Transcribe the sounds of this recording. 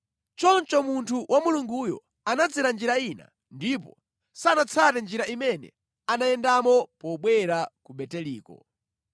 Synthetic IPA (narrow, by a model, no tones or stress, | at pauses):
t͡ʃɔnt͡ʃɔmuntʰuwʔamuluŋɡujɔ̰ | anad͡ziɾand͡ʒiɾaina̰ | ndip̬ɔ̰ | sanat͡sʰatɛnd͡ʒiɾaʔimɛnɛ̰ | anajɛndamɔpɔɓwɛɾakuɓɛtɛlḭːkɔ̰